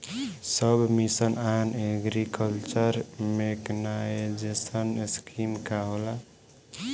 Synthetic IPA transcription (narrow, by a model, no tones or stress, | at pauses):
səbmisənaneɡɾikəlt͡ʃəɾmeknaed͡ʒesənskimkaɦola